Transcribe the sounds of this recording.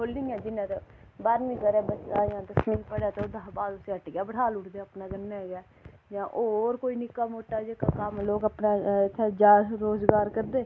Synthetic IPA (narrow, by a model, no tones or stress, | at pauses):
kʰoːlːɪ̃ŋɛ̃ːd̪ɪnãːt̪e | baːɾnĩːkəɾɛːbəsajãːt̪əsmiːnpəɽaːt̪ed̪aɦbaːd̪ʊseəʈɡɪaːbəɽʰaːlʊʈʰd̪eaːəpnaːɡənːaːɡaː | d͡ʒãːʔoːɾkoːiːnɪkːaːmoːʈːaːd͡ʒekaːkəmloːkəpnaːɪt̪ʰːeːd͡ʒaːɾoːzɡaːɾkəɾd̪eː